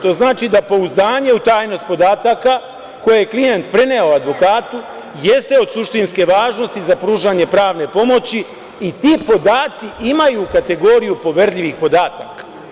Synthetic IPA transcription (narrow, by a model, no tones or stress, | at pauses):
t̪o̞znaːt͡ʃid̪apo̞uzd̪aːɲe̞ut̪aːjno̞st̪̚po̞d̪aːt̪aka | ko̞jeeklije̞nt̪̚pɾe̞ne̞oad̪ʋo̞kaːt̪u | je̞st̪e̞o̞d̪suʃt̪inske̞ʋaːʒno̞st̪izapɾuːʒaɲe̞pɾaːʋne̞po̞mo̞t͡ɕi | it̪iːpo̞d̪aːt̪siʔimajukat̪e̞ɡo̞ːɾijupo̞ʋeɾʎiʋixpo̞d̪aːt̪akḁ